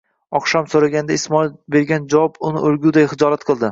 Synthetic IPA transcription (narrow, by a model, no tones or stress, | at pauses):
ɒqʃamsoɾaɡʲand̪aɪsmɒlbe̞ɾɡʲand͡ʒavɒbʊnɪʔoɾɡʲud̪ajχɨd͡ʒɒɾat̪qʰɨlˠd̪ɪ